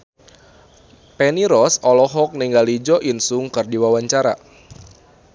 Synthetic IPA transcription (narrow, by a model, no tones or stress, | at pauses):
pɛniɾɔsɔlɔɦɔk̚niŋɡalid͡ʒɔʔinsuŋkɨrdiwawaɲt͡ʃaɾa